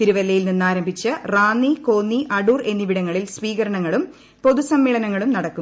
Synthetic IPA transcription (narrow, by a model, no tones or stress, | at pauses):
t̪iɾuʋɐlːɐjilninːaːɾɐmbʱit͡ɕːɨraːnːiko̞ːnːiʔɐɽuːre̞nːiʋiɽɐŋːɐɭilsʋiːkɐɾɐɳɐŋːɐɭum | po̞ðusɐmːiːɭɐnɐŋːɐɭumnɐɽɐkːu